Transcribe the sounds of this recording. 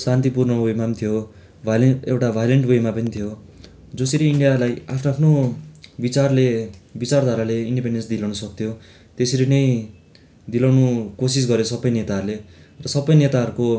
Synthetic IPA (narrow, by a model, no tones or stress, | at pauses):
sãnt̪̬ipurnʌbojmamt̪ʰijo | bʱalewʈabʱajleɳʈbojmapʌnit̪ʰijo | d͡zoseɾiiɳɖijalajapʰnoapʰnobit͡sarlebit͡sard̪ʱaɾaleiɳɖipeɳɖensd̪ilawnʌsʌk̚t̪ʰjo | t̪esiɾinʌj | d̪ilawnukosis̬ɡʌɾjesʌbːʌjnet̪aɦɾule | rʌsʌbːʌjnet̪aɦʌɾuko